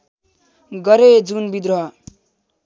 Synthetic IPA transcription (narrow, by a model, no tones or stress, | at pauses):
ɡʌɾed͡zunbid̪ɾʌɦʌ